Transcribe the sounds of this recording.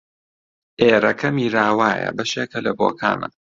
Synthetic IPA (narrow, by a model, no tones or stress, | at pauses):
ʔeːɾɐkʰɐmiːɾaːwaːjɐ̰bɐʃeːkɐlɐboːkʰa̰ːnɐ